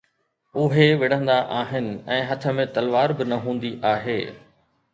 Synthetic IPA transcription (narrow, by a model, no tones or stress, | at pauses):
ʊɦeʋɪɽ̤ə̃nd̪aʔaːɦɪnɪ̆ɛ̃ːɦɐt̪ʰə̆mẽt̪ɐlʋaːɾbɪnɐɦũːn̆d̪iʔaːɦeː